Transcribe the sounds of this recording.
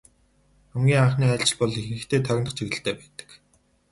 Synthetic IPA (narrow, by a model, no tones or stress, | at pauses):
χæmɡʲiːŋaɴχniːaɮʲt͡ɕɪ̆ɮpɔɮixɘ̆ɘ̆xt̪ʰeːt̪ʰœɾʲnt̪ə̆χt͡ɕʰiɣɘ̆ɬt̪eːpæːt̪ə̥̆k